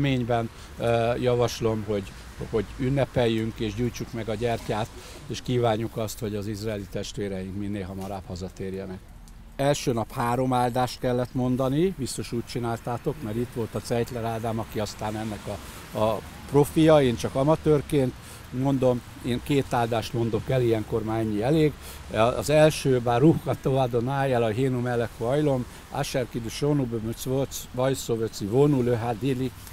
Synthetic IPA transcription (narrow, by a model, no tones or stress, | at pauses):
meːɲbɛn | jɒvɒʃlo̞mɦo̞ɟ | ho̞ɟynːɛpɛjːyŋkeːʃɟuːjt͡ʃukmɛɡɒɟɛrcaːt̪ | eːʃkiːvaːɲːukɒst̪ho̞ɟɒzizraɛlit̪ɛʃt̪ʋeːɾɛjiŋkminːeːlɦɒmɒɾaːphɒzɒt̪eːrjɛnɛk | ɛlʃøːnɒphaːɾo̞maːld̪aːʃt̪̚kɛlːɛt̪mo̞nd̪ɒnibist̪o̞ʃuːc̚t͡ʃinaːlt̪aːt̪o̞kmɛɾit̪ʋo̞lt̪ɒt̪sɛjt̪lɛɾaːd̪aːmɒkiɒst̪aːnɛnːɛkɒː | pro̞fijɒeːnt͡ʃɒkɒmɒt̪øːrkeːnt̪ | mo̞nd̪o̞m | eːŋkeːt̪aːld̪aːʃt̪mo̞nd̪o̞kɛlijɛŋko̞rmaːɾɛɲːiɛleːɡ̰ː | zɛlʃøːbaːrːuhkɒt̪oad̪o̞naːjɛlɒɦeːnumɛlːɛkoɒjlo̞m | a̰ʃɛrkid̪yʃonubøøsosvɒjsovøt̪sivonuløɦad̪ilːi